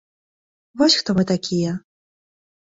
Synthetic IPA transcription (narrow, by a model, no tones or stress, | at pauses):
vɔsʲxt̪ɔmɨt̪akʲʰijɛ